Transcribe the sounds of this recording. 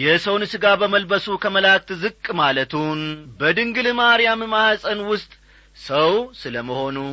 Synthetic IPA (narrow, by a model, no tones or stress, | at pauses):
jɛsəwnɨsɨɡabəməlbəsukʰəməlak̚t̪zɨkʼːmalət̪ʰunbəd̪ɨŋɡɨlɨmaɾijammahasʼənwʊst̪ʼ | səwsɨləməho̞nu